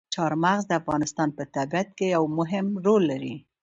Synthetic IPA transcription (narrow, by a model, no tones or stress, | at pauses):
t͡ʃɑɾmaɣzd̪əafɣɑnɪst̪ɑnpət̪abiat̪̚kejawmʊɦɪmɾolːaɾi